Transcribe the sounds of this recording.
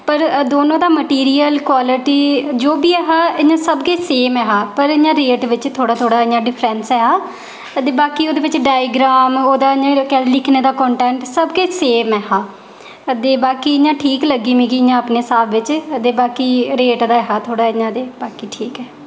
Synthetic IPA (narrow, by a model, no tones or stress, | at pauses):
pəɾd̪oːnõːd̪aːməʈiːɾiːəlkwaːlɪʈiːd͡ʒoːbiːɛːɦaːɪɲãːsəbɡeːseːmɛːɦaːpəɾɪɲãːɾeːʈʋɪt͡ʃt̪ʰoːɽaːt̪ʰoːɽaːɪɲãːɖɪpʰɾɛnsɛːɦaː | əd̪eːbaːkiːoːd̪eːʋɪt͡ʃɖaːjɪɡɾaːmoːd̪aːɪɲãːkɛlɪkʰneːd̪aːkɔ̃ːɳʈɛ̃ːɳʈsəbɡeːseːmɛːɦaː | d̪eːbaːkiːɪɲãːʈʰiːkləɡiːmĩːkiɪɲãːpneːsaːbʋɪt͡ʃəd̪eːbaːkiːɾeːʈd̪aːɛɦaːt̪ʰoːɽaːɪɲãːd̪eːbaːkiːʈʰiːkɛː